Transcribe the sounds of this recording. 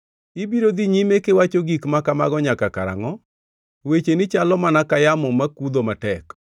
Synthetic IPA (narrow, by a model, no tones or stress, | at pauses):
ibiɾod̪iɲimekewat͡ʃoɡikmakama̰ɡɔɲakaka̰ɾa̰ŋɔ | wet͡ʃenɪt͡ʃalɔmanakajamɔmakud̪omatɛk